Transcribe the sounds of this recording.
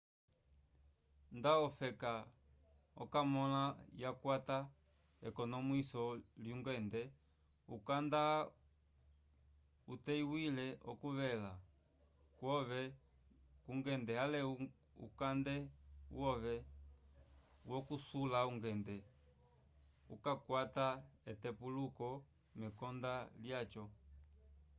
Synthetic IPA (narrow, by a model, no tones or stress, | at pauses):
ndaɔfɛka | ɔ̰kamɔlajakwata | ɛkɔnɔmwisɔluŋɡɛndɛ | ukanda | utɛiwilɛʔɔkuβɛla | kwɔβɛ | kuŋɡɛndɛhalɛu | ṵkandɛṵwɔβɛ | wɔkusulauŋɡɛndɛ | ṵkakwataɛtɛpulukɔ | mɛkɔndaljat͡ʃɔ